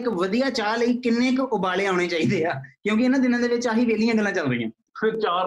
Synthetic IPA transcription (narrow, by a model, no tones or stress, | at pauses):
kʋəd̪ijaːt͡ʃaːləiːkɪnːẽːkʊbaːleːaːʊɽ̃eːt͡ʃaːiːd̪eːaːkjõːk̬ɪɪnãːd̪ɪnãːd̪eːʋɪt͡ʃaːɦiːʋeːlɪjãːɡəlːãːt͡ʃələĩjã̰ː | sɪɾt͡ʃaː